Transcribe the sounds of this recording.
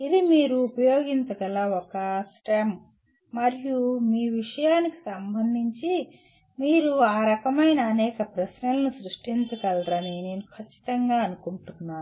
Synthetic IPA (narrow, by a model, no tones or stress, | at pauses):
ilimiːɾuːpɐjoːɡiɲt͡ʃɐkɐlɐɔkɐsʈam | mɐɾijumiːʋiʂɐjaːniki̥sɐmbʱɐnd̪ʱiɲt͡ʃi | miːɾuaːɾɐkɐmɐjnɐːnɛːkɐpɾɐsnɐlɐnusɾuʂʈint͡ʃɐkɐlɾɐnine̞ːnukʰɐt͡ʃːi̥t̪ɐŋɡaːɐnukuɳʈunːaːnu